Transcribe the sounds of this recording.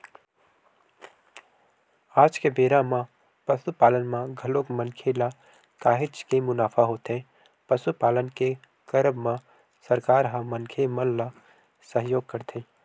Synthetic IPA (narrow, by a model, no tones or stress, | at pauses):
aːd͡ʒkebeːɾamã | pəsupaːlənmãɡʱəloːkmənkʰela | kaːɦɪt͡ʃkemʊnaːpʰaɦoːt̪ẽ | pəsupaːlənke | kəɾəbmã | səɾkaːɾɦãmənkʰemənla | səɦjoːɡ̚kəɾt̪ʰẽ